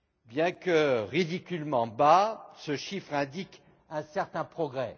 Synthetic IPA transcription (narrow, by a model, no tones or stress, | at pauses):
bjɛ̃kəʁid̪ikʲylmɑ̃basəʃifχɛ̃d̪ik | ɛ̃sɛʁt̪ɛ̃pχɔɡʁɛ